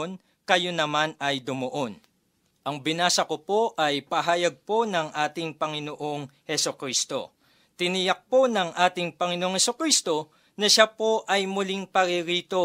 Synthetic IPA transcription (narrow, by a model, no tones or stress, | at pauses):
n | kɐjonɐmanɐjd̪ʊmoʔo̞n | ʔɐŋbɪnaːsɐkopo̞ʔɐjpɐɦaːjɐɡ̚po̞nɐŋʔaːt̪ɪŋpɐŋɪnoʔo̞ŋhɛsokɾiːst̪o̞̰ | t̪ɪnɪjɐk̚po̞nɐŋʔaːt̪ɪŋpɐŋɪnoʔoŋhɛsʊkɾist̪o̞ | nɐʃapo̞ʔɐjmʊliŋpɐɾɪɾiːt̪o̞